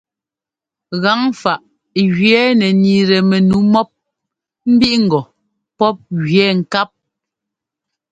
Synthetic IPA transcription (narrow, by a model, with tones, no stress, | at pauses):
ɣa˨˦ŋfa˨ʔ | ɣɥɛ˨˦nɛ˨ni˨ɾɛ˨mɛ˨nu˨˦mɔ˦p̚ | m̩˦bi˦ʔŋ̩˨ɡɔ˨ | pɔ˦p̚ɣɥɛ˨˦ŋ̩˨ka˦p̚